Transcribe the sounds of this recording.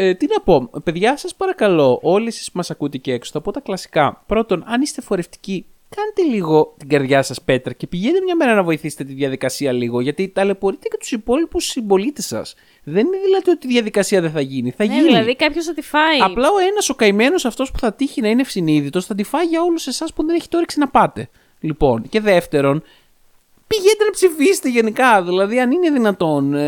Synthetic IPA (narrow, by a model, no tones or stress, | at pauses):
et̪inɐpo̞pe̞ðʝɐsɐspɐɾɐkɐlo̞ʔoliesi̥spumɐsɐkut̪eceekso̥θɐpo̞t̪ɐklɐsi̥kɐpɾo̞t̪o̞nɐnist̪e̞fo̞ɾe̞ft̪i̥ci | kɐnet̪e̞liɣo̞t̪iɡɐɾðʝɐsɐspe̞t̪ɾɐce̞piʝent̪emɲɐme̞ɾɐnɐvo̞iθise̥t̪et̪iðʝɐðikɐsiɐliɣo̞ʝɐt̪it̪ɐle̞po̞ɾit̪ecet̪u̥sipo̞lipusibo̞lit̪esɐ̰s | ðe̞nineðilɐt̪io̞t̪iðʝɐðikɐsiɐðeθɐʝiniθɐʝinɐðikɐpçosɐd̪ifɐiɐplɐo̞e̞nɐso̞kɐime̞no̞sɐft̪o̞spu̥θɐt̪içinɐinefsiniðit̪o̞sθɐd̪ifɐiʝɐo̞luse̞sɐspuðeneçi̥t̪eo̞ɾiksinɐpɐt̪e̞ | lipo̞nce̞ðe̞ft̪e̞ɾo̞n | piʝed̪e̞nɐpsifise̥t̪eʝe̞nikɐðilɐðiɐnine̞ðinɐt̪o̞n